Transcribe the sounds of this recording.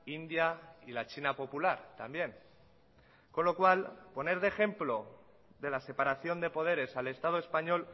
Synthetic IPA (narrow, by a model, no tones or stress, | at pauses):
ind̪jailat͡ʃinapo̞pulaɾt̪ambje̞ŋ | ko̞nlo̞kwalpo̞ne̞ɾðe̞xe̞mplo̞ | ðe̞lase̞paɾaθjo̞nd̪e̞po̞ð̞e̞ɾe̞sale̞st̪að̞oe̞spaɲo̞l